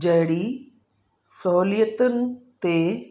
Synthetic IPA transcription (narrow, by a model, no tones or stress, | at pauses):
d͡ʑɐɦɽi | sɔɦlijət̪ʊnɪ̆t̪e